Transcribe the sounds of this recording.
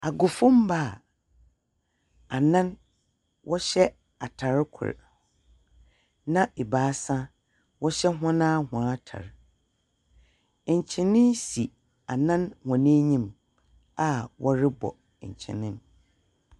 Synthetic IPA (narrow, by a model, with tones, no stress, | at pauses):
a˨ɡʊ˨fʊ̃˦mba˦˨ | a˨nã˦n | wʔɔ˦ɕɛ˦ | a˨tʰa˨ɾkʰʊ̰˨ɾ̰ | nã˦ʔe˨baː˨˦sã˦ | wɔ˦ɕɛ˦ɦɔ̃˦nãː˦hʊ̃˨a˦tʰa̰˨ɾ | ɲ̩˨t͡ɕʰɪ̃˨nɪ̃˦nsi˨ | a˨nã˦nhɔ̃˨nĩ˦ɲĩ˦m | a˦˨wʔɔ˦ɾɪ˦bɔ̰˨ | ɲ̩˨t͡ɕʰɪ̰̃˨nɪ̃˦n